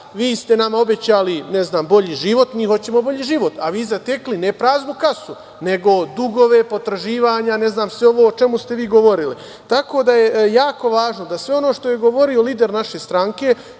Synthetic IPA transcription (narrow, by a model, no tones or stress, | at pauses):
ʋiːst̪e̞namao̞bet͡ɕaːlineznaːmbo̞ʎiʒiʋo̞t̪miːɦo̞t͡ɕe̞mo̞bo̞ʎiʒiʋo̞t̪aʋiːzat̪e̞klinepɾaːznukasu | ne̞ɡo̞d̪uɡo̞ʋe̞po̞t̪ɾaʒiːʋaːɲane̞znaːmsʋeo̞ʋoot͡ʃe̞must̪e̞ʋiːɡo̞ʋo̞ɾili | t̪ako̞ːd̪ajejaːko̞ʋaːʒno̞d̪asʋe̞o̞no̞ːʃt̪o̞jeɡo̞ʋo̞ɾio̞liːd̪e̞ɾnaʃe̞st̪ɾaŋke̞